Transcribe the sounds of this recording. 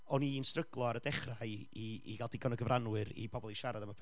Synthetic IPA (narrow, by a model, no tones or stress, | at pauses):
ɔniːnstrəɡlˠɔaɾədɛχraɨiḭɡalˠdɪɡɔnəɡəvrʔanwɨɾḭbʰɔbɔlˠiʃaɾadamapʰ